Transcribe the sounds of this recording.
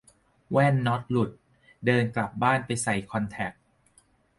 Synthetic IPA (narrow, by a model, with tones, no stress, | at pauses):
wɛː˥˩nːɔ˦˥t̪̚lu˨˩t̪̚ | dɤː˧nkla˨˩p̚baː˥˩npa˧jsa˨˩jkʰɔ˧nt̪ʰɛ˨˩k̚